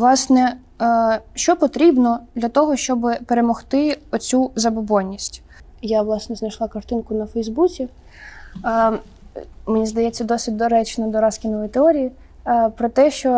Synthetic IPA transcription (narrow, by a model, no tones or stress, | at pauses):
ʋlˠɑsnɛ | ʃt͡ʃɔpɔt̪ɾʲibnɔd̪lʲɐt̪ɔɦɔʃt͡ʃɔbɪpeɾemɔxt̪ɪɔt͡sʲuzɐbɔbɔnʲːisʲtʲ | jaʋlˠɑsnɛznɐjʃlˠɑkɐrt̪ɪnkʊnɐfɛjzbut͡sʲi | menʲizd̪ɐjɛt͡sʲːɐd̪ɔsʲɪt̚ʲd̪ɔɾɛt͡ʃnɛd̪ɔɾɑskʲinɔʋɔit̪eɔɾʲiji | pɾɔt̪ɛʃt͡ʃɔ